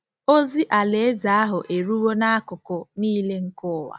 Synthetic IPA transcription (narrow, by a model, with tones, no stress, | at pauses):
o˦zi˦ʔa˨le˨e˦za˨a˦ɦʊ˨ʔe˨ɾu˦wo˦na˦a˦kʊ˨kʊ˨niː˦le˦ŋ̩˦kʊ˦˨wa̰˨